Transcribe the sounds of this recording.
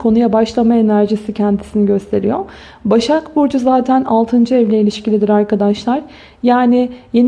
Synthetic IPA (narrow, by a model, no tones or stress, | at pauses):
kʰo̞nujabaʃlˠamae̞næɾʒisicʰɛnd̪ʰisiniɟø̞st̪ʰe̞ɾḭjo | baʃakbuɾd͡ʒuzaːt̪ʰænalˠt̪ʰɯnd͡ʒɯɛvlʲɛilʲiʃcilʲid̪iɾaɾkad̪aʃlˠaɾ̥ | jaːnɪje̞n